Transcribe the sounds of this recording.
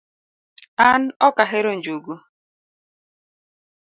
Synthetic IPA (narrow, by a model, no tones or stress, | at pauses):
an̩ɔkaɦeɾon̩d͡ʒuɡu